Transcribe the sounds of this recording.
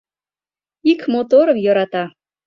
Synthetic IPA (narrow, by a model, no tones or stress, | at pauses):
ikmot̪oɾəmjɤ̆ɾɑt̪ɑ